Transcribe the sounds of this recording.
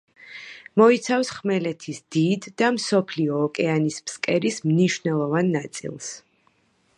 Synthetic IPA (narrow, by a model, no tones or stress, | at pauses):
mɔit̪sʰafsχmɛlɛt̪ʰisd̪id̪ːamsɔpʰliɔːkʼɛanispskʼɛɾismniʃvnɛlˠɔvanːat̪sʼḭlˠs